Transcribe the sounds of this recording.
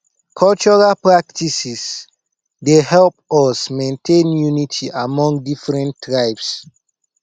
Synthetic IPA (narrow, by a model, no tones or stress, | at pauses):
kʰɔlt͡ʃɔɹalpɹak̚tisis | dehɛlp̚ɔsmẽntʰẽnjunitʰiʔamɔ̃ŋɡ̚difɹɛ̃ntːɹaɪps